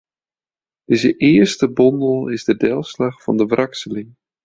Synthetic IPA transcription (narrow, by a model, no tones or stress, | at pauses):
d̥ɪzəʔɪəɹstəbɔndəlˠɪzdədɛlˠslaχfɑ̰ndəvrʔɑksəlɪŋ